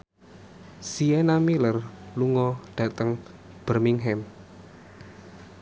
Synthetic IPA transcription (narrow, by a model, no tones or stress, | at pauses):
sienamilərluŋɔɖ̥ä̤t̪əŋ | b̥ərmiŋɦɛm